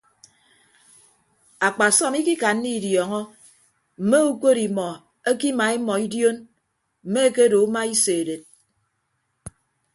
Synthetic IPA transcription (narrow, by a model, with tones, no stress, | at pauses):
a˨k͡pa˨sɔ˦mi˦ki˦ka˨n̩ː˦i˦˨djɔ˨ŋɔ˦ | m̩˨me˦u˦ko˦ɾi˨mɔ˨ | e˦ki˦ma˨˦e˦mɔ˨i˦djo˦n | m̩˨me˦e˦ke˦do˨u˦ma˦i˦se˨de˨t̚